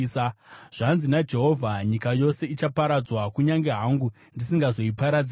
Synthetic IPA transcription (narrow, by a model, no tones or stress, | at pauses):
sʐ̥anzinad͡ʒe̞ɦo̞vʱaɲikajo̞se̞it͡ʃapaɾad͡zwakuɲaŋɡe̞ɦaŋɡu | ndisiŋɡazo̞ipaɾad͡z